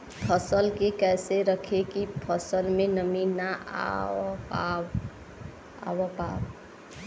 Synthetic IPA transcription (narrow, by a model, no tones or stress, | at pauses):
pʰəsəlkekɛːseɾəkʰekipʰəsəlmẽnəmina | a | a̰wəpa̰w